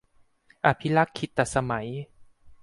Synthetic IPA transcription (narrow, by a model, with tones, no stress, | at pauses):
ʔa˧pʰi˦˥la˦˥kʰːi˧˩t̪ːɛ˨˩sa˧ma˩˦j